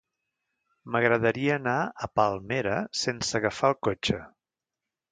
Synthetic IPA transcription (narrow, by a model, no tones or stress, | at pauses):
məɣɾəðəɾiəːnaəpalˠmeɾəsensəɣəfaəlˠkot͡ʃə